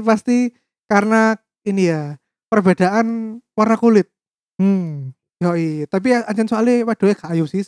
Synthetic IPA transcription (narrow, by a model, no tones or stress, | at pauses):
past̪i | karəna | inija | pərbed̥aʔanwarnakulɪt̪̚ | m̩ | jɔit̪ap̬iaɲt͡ʃansoaliwad̥o̤jaɡ̥aajusɪh